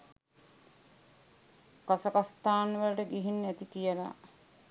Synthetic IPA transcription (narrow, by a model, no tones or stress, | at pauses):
kasəkast̪aːnʋələʈəɡiɦinːæt̪ikijəla̰